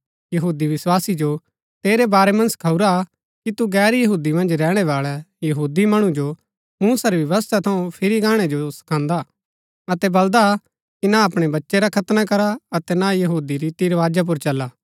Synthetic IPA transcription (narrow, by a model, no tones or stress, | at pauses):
jɐɦuːd̪iʋɪswaːsid͡ʒo | t̪eːɾebaːɾemɐ̃nsɐ̥kʰɐuɾa | kit̪uɡɛːɾjɐɦuːd̪imɐ̃nd͡ʒɾɛːɽ̃eʋaːɭɛjɐɦuːd̪imɐɽ̃ũd͡ʒo | mũːsaɾiʋɐʋəst̪ʰat̪ʰɐũpʰɪɾiɡãːɽ̃ed͡ʒosɐ̥kʰãːnd̪a | ɐt̪ɛbɐld̪a | kinaɐpɽ̃ebɐtːʃeɾakʰɐt̪nakɐɾaɐt̪ɛnajɐɦuːd̪iɾit̪iɾʋaːd͡ʒap̬ʊɾt͡ʃɐlːaː